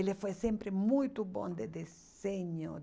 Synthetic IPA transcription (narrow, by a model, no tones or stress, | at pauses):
elefwejsempɾemujt̪ubɔ̰̃nd̪ed̪es | eɲo